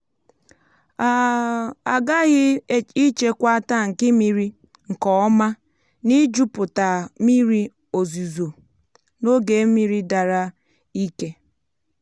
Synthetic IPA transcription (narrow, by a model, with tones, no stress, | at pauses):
a˨a˨ɡa˦ɣɪ˦i˦t͡ʃe˦kʷa˦ta˦˨ŋ̩˨kɪ˦mi˨ɾi˦ | ŋ̩˨kɔ˨ɔ˦ma˦ | ni˦d͡ʒu˦pʊ˨ta˨mi˦ɾi˦ | o˨zu˨zo˨ | no˦ɡe˨˦mi˦ɾi˦da˨ɾa˦ | i˦ke˦